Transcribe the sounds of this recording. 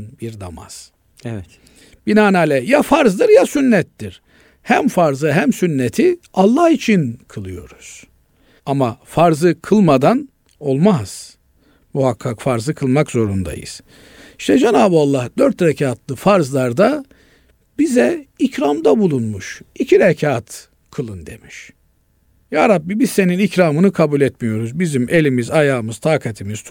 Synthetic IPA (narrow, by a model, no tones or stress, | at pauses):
nbiɾd̪a̰ma̰z̥ | ɛɛ | b̥inaːnaːlʲɛjafaɾzd̪ɯɾjasynːɛt̪ːiɾ̥ | hæmfaɾzɯɦæmsynːet̪ʰialˠːahit͡ʃʰinkʰɯlˠɯjo̞ɾuz̥ | amafaɾzɯkʰɯlˠmad̪an | o̞lˠmaz̥ | muhakʰːakfaɾzɯkʰɯlˠmakzo̞ɾund̪a̰jɯ̰z̥ | iʃt̪ʰɛd͡ʒanaːbɯalˠːahd̪̥øɾt̪ɾecʰaːt̪ʰlˠɯfaɾzlˠaɾd̪a | bizɛicɾamd̪abulˠunmuʃicʰiɾɛcʰaːt̪ | kʰɯlˠɯnd̪e̞̰miʃ | jaːɾabːibizse̞ninicɾaːmɯnɯkʰabulʲɛt̪mijo̞ɾuzbizimʔelʲimizajaːmɯz̥t̪ʰaːkʰat̪ʰimiz̥